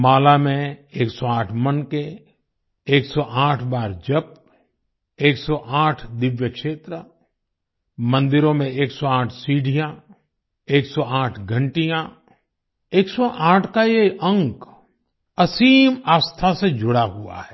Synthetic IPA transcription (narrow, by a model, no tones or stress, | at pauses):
maːlamẽeːksɔãːʈʰmənke | eːksɔʔaːʈʰbaːɾd͡ʒɐb̚ | eːksɔʔãːʈʰd̪ɪʋjəkʃeːt̪ɾə | mə̃nd̪ɪɾõmẽeːksɔãːʈʰsiːɖʱijã | eːksɔaːʈʰɡʱə̃ɳʈijã | eːksɔʔãːʈʰkajeə̃ŋk | ɐsiːmaːst̪ʰased͡ʒʊɽaɦua̰ɦɛː